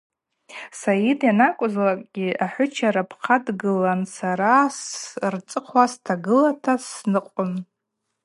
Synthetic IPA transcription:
sajidjanakʷʼʊzlakʼɡʲiaħʷʊt͡ʃʰaɾapʰqʰadɡɨlansaɾasrt͡sʼɨqʰwastʰaɡɨlatʰasnɨqʷʼʊn

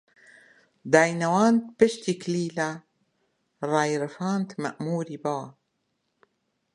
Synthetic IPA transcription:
d̪aːjnawaːnt̪̚bɪʃt̪ikliːla | ɾˤɑːjɾɪfaːnt̪ma̰ʔmuːɾibawa

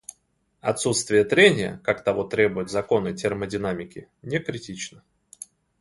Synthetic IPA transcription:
ɐt̪sut̪st̪vʲɪjət̪ɾʲenʲɪjə̰kakt̪ɐvo̞t̪ɾʲe̞bʊjʊt̪zɐko̞nɨtʲɪrmədʲɪnamʲɪkʲɪ | nʲekɾʲɪtʲit͡ɕnə

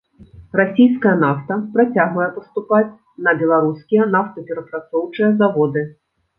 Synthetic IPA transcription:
rasʲijskɐjɐnaft̪ɐpɾat͡sʲaɣvɐjɛpɐst̪upat͡sʲ | nɐbʲɛlˠaɾuskʲijɛnaft̪ɐpʲɛɾɐpɾat̪sɔwt͡ʂɨjɐzavɔd̪ɨ

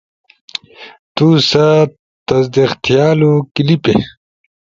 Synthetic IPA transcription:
t̪usɐ | t̪ɐzd̪ixt̪ijaːlukilipḛ

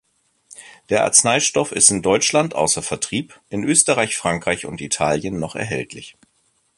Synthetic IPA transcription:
d̥eːɐʔa̰ɐt͡snaɪʃtɔfɪ̰stɪndɔʏt͡ʃlantʔa̰ʊsɐfɛɐtʁ̥iːpʔɪnʔøːstəʁaɪçfʁ̥aŋkʁ̥aɪçʊ̰ntitʰaːljənːɔχɛ̰ɐɦɛ̰ltʰlɪ̰ç

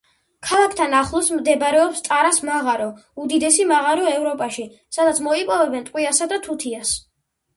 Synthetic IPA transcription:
kʰalˠakʰt̪ʰanaχlˠɔsmd̪ɛbɾɛɔpst̪sʼaɾasmaʁaɾɔud̪id̪ɛsimaʁaɾɔɛvɾɔpʼaʃi | sad̪at̪sʰmɔipʼɔvɛbɛnt̪ʼqʼwiasad̪at̪ʰut̪ʰias

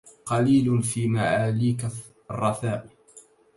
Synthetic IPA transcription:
qɑliːlʊfiːmaʕaːliːka | ɑrˤːɑθaːʔ

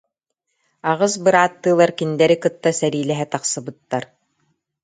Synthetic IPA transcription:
aʁɯs̬bɯɾaːt̪ːɯːlˠaɾkind̪ɛɾikɯt̪ːasɛɾiːlɛɦɛt̪aqsɯbɯt̪ːaɾ

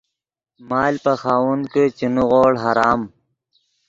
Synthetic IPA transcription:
maːlpɐxaːwunket͡ɕinuɣoːɽɦaɾaːm

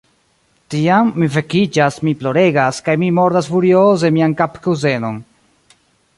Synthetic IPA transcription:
tiamːife̞kid͡ʒasmiplo̞ɾe̞ɡaskajmimo̞ɾdasfuɾioze̞miankapkuze̞no̞n

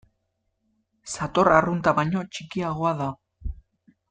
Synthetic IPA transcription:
sat̪o̞rarunt̪aβajɲo̞t͡ʃikiaɣo̞aða

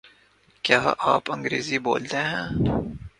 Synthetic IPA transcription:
kjaːʔaːpɐ̃ŋɡɾeːzibo̰ːlt̪eɦɛ̃ː

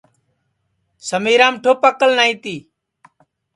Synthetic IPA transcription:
səmiːɾãːmʈʰoːpəkəlnaːĩːt̪iː

